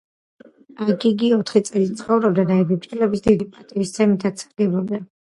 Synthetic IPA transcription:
akiɡiɔt̪ʰχit̪sʼɛlit̪̚t̪sʰχɔvɾɔb̚d̪ad̪aɛbibt͡ʃʼɛlɛbisd̪id̪ipʼat̪ʼivist̪sʰɛmit̪ʰat̪sʰaɾɡɛbɔbd̪a

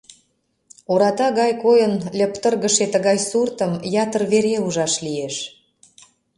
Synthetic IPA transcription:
oɾɑt̪ɑɣɑjkojənlʲə̆pt̪ərɣəʃet̪əɣɑjsurt̪əmjɑt̪ərβeɾeuʒɑʃlieʃ

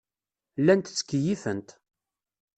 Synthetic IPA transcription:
lːænt̪t͡sːə̥kːəjifənt̪

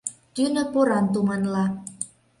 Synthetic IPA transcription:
t̪ynə̆poɾɑnt̪umɑnlɑ

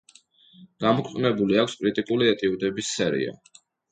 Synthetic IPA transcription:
ɡ̥amɔkʰɛqʼnɛbuliakʰskʼɾit̪ʼikʼuliɛt̪ʼiud̪ɛbisːɛɾḭa̰

